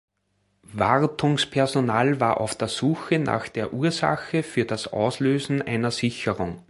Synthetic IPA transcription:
vaʁtʰʊŋspʰɛɐzonaːlvaːɐʔa̰ʊfd̥eːɐzuːxənʔa̰ːxd̥eːɐʔuːɐza̰xəfyːɐd̥asʔa̰ʊsløːzn̩ʔæ̰ɪnɐsɪçəʁʊŋ

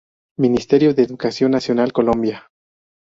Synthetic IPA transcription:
minist̪eɾjoðeːðukasjo̞nːasjo̞nalko̞lõmbja

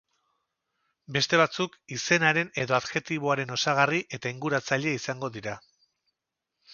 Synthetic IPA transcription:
be̞st̪e̞β̞at͡sukise̞naɾe̞ne̞ðo̞aðɣe̞t̪iβo̞aɾe̞no̞saɣ̞ariʔe̞t̪aiŋɡuɾat͡saʎe̞isaŋɡo̞ðiɾa

